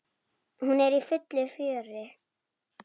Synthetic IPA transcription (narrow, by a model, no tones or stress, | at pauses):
hunɛɾifʏt̪lɪfœːrɪ